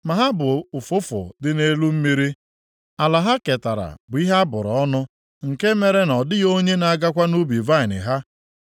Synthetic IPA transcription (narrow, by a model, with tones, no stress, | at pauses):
ma˨ɦa˦bʊ˨ʊ˨fʊ˦fʊ̰˨dɪ˦ne˦lu˦m̩˦mi˦ɾi˦ | a˨la˨ɦa˦ke˨ta˨ɾa̰˨bʊ˨i˦ɦa˦bʊ˨ɾɔɔ˦nʊ˦ | ŋ̩˨ke˦me˨ɾe˦nɔ˨dɪ˦jo˦ɲe˦na˨˦ɡa˦kʷa˦nu˦bi˨va˦ɪ˨nɪ̰˨ɦa˦